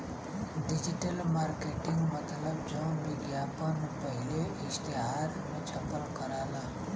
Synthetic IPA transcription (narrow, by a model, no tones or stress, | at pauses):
ɖid͡ʒiʈəlmaɾkeʈiŋɡmət̪ləbd͡ʒɔ̃ʋɪɡjapənpəɦileɪst̪iɦaɾmet͡ʃʰɐpːəlkəɾaːla